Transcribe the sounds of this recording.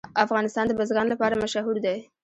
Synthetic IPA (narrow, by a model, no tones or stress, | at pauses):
afɣɑnɪst̪ɑnd̪əbəzɣɑnlapɑɾamaʃaɦuɾd̪aj